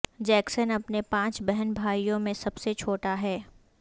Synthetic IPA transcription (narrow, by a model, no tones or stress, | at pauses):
d͡ʒɛːksənɐpnepãːt͡ʃbɛɦənbʱaːijõmẽsɐbset͡ʃʰoːʈaɦɛː